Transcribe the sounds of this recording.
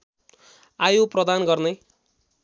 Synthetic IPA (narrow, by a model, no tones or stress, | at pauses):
ajoprʌd̪anɡʌrnʌ